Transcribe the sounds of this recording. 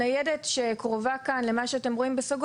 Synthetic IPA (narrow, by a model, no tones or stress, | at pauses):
ajedetʃekʁovakanle̞maʃeatemʁo̞imbesoɡ